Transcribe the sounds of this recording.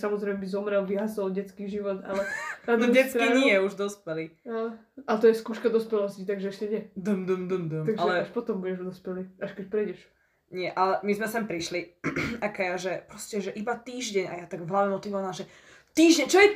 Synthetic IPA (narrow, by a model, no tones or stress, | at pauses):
samɔzɾɛɪmɛbizɔmɾɛlʋiɦasɔlɟɛt͡skiːʒiʋɔd̪a̰lɛad̪ɔɛt͡sɾiɲɪɛuʒd̪ɔspɛlialɛ | alɛt̪ɔjɛskuːʃkad̪ɔspɛlɔscit̪aɡʒɛɛʃcɛɲɪɛd̪əmd̪əmd̪əmd̪əmt̪aɡaɛlɛaʃpɔt̪ɔmbuɟɛʒd̪ɔspɛliaʃkɛc̚pɾɛjɟɛʃ | ɲɪɛʔalɛmizmɛsɛmpɾiʃliakɛjaʒɛpɾɔscɛʒɛʔibat̪iːʒɟɛɲa̰jat̪aɡvɦlaɛmɔt̪iʋɔʋaamʒɛ | t̪iːʒɟɛɲt͡ʃɔjɛ